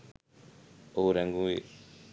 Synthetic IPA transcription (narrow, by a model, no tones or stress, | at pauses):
oɾɛŋɡũwe